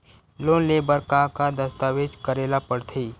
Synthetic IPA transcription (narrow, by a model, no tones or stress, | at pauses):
loːnleːbəɾkakad̪əst̪aːʋed͡ʒkəɾeːlapəɽt̪ʰiː